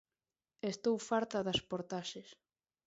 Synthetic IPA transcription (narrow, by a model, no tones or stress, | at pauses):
est̪owfaɾt̪aðaspoɾt̪aʃes